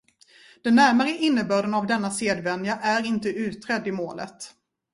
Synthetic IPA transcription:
d̪̥ɛnːæɾmaɾəʔɪnːəbœːɖənavd̪ɛnːaseːd̪vɛnːjaʔæɾɪnt̪əʉ̟ːt̪ɾɛd̪ːɪmoːlʔə̰t̪

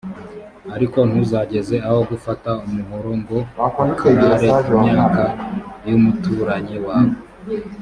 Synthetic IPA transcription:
aɾiko̞n̥huzaɟe̞ze̞aho̞ɡufataumuɦoɾoŋɡo̞ | naɾeimɲaːkajumutuːɾaɲewaːβo

